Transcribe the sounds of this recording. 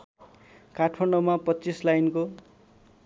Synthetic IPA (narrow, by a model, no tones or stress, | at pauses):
karʈʰpʰʌɳɖomapʌtːt͡sislajnko